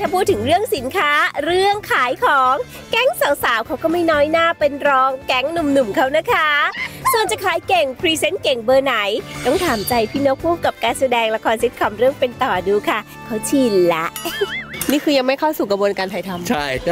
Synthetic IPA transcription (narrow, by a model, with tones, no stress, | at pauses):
t̪ʰaː˧˩pʰuː˥˩t̪ʰːɯ˩˦ŋɾɯ˥˩əŋsi˨˩˦nkʰaː˦˥ɾɯ˥˩əŋkʰaː˨˩˦jkʰɔː˩˦ŋ | kɛ˥˩ŋsaː˨˩˦wsaː˨˩˦wkʰa˦˥wkɔː˥˩ma˥˩jnɔː˦˥jnaː˥˩pe˧nɾɔː˧ŋkɛ˦˥ŋnu˨˩mnu˨˩mkʰa˦˥wna˦˥kʰa˦˥su˨˩ənt͡ɕa˨˩kʰaː˨˦jke˨˩ŋpʰɾiː˧se˦˥nke˨˩ŋbɤː˧na˩˦jt̪ɔ˥˩ŋt̪ʰaː˩˦mt͡ɕa˧jpʰiː˥no˦˥k̚ʰuː˥˩mka˨˩p̚kaː˧nsa˧dɛː˧ŋla˧kʰɔː˧nsi˦˥t̪̚kʰɔ˧mɾɯ˥˩əŋpe˧nt̪ɔː˨˩duː˧kʰa˥˩ | kʰa˦˥wt͡ɕʰiː˧nla˦˥ʔniː˥˩kʰɯː˧ja˧ŋma˥˩jkʰa˥˩wsuː˨˩kɾa˧bu˧ənkaː˧nt̪ʰa˧˩jt̪ʰa˧mt͡ɕʰa˥˩j